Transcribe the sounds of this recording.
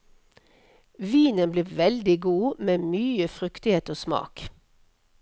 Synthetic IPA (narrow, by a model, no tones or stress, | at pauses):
ʋiːnənbleːʋɛld̪ɪɡuːmeːmyːəfʁʏkt̪ɪheːt̪oːsmɑ̰ːk